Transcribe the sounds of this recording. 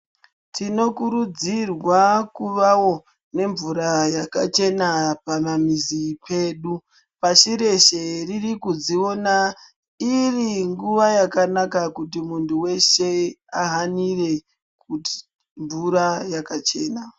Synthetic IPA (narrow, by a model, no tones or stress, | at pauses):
tino̞kuɾud͡zirwakuʋawo̞ | ne̞ɱvuɾajakat͡ʃe̞napamamizipʰe̞ːɗu | paʃiɾe̞ʃe̞ririkud͡zio̞na | iriŋɡuʋajakanakakut̬imuntʰuwe̞ʃe̞aɦanire̞ | kuti̥ | ɱvuɾajakat͡ʃe̞ːna